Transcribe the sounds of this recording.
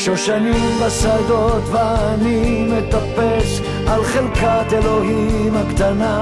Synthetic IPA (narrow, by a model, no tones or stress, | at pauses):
ʃoʃanimbasad̪o̞t̪veanimet̪apeʃ | alχelkat̪elo̞ɦimhakt̪ana